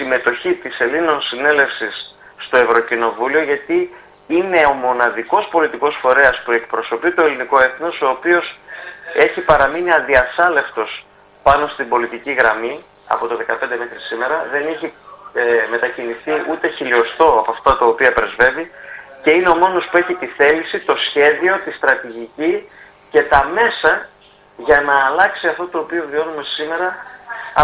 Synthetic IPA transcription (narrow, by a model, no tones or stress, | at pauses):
sime̞t̪o̞çit̪ise̞lino̞nsine̞le̞fsisː | t̪o̞e̞vɾo̞cino̞vulio̞ʝɐt̪i | ine̞o̞mo̞nɐðiko̞spo̞lit̪iko̞sfo̞ɾe̞ɐspue̞kpɾo̞so̞pit̪o̞e̞liniko̞e̞θno̞so̞ːpio̞se̞çipɐɾɐminiɐnðiɐsɐle̞ft̪o̞s | pɐno̞st̪ibo̞lit̪iciɣɾɐmi | ɐ̰po̞t̪o̞ðe̞kɐpend̪eme̞xɾisime̞ɾɐðe̞niçi | me̞t̪ɐciniθiʔut̪e̞çilio̞st̪o̞ɐpoɐft̪ɐt̪ɐopiɐpɾe̞zve̞vice̞ineo̞mo̞no̞spue̞çit̪iθe̞lisit̪o̞sçe̞ðio̞t̪ist̪ɾɐt̪iʝici | ce̞t̪ɐme̞sɐ | ʝɐnɐːlɐksiɐft̪ot̪o̞ːpio̞vio̞nume̞sime̞ɾɐ